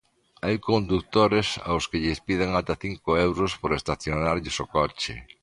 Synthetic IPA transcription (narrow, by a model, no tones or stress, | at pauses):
ajkond̪uk̚t̪oɾɪsa̰wskɪʎɪspið̞eŋat̪aθiŋkʊewɾʊspoɾest̪aθjonaɾʎɪsokɔt͡ʃɪ̰